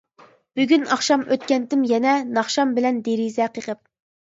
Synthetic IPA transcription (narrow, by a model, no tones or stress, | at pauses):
b̥yɡʲynɑχʃɑmøt̪̚kʲɛnt̪ɪmjɛnɛnɑχʃɑmbɪlɛnd̪eɾizɛqʰəqʰəp̚